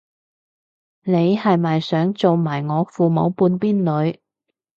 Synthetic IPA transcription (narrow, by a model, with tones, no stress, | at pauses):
ne˨˧jhɐ˨jmɐ˨jsœː˨˥ŋt͡so˨wmaː˨˩jŋɔː˨˧fuː˨mo˨˧wpuː˧npiː˥nlɵ˨˧ɥ